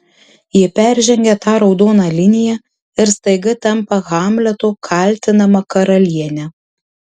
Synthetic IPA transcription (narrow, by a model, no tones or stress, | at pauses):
jɪpʲæˑɾʲʒʲɛŋʲɡʲɛt̪ɑːɾɒʊd̪oːnɑːlʲɪnʲɪjɛ | ɪɾst̪ɐɪɡɐt̪ɐmpɐɣɑːmʲlʲɛt̪oːkʰɑˑlʲˑt̪ʲɪnɐmɐkɐɾɐlʲiɛnʲɛ